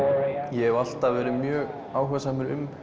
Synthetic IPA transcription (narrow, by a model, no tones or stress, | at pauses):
jɛɦɛval̥t̪aðvɛːɾɪmjœːɣ | aːwɦɛsaːmɪɾʏ̰m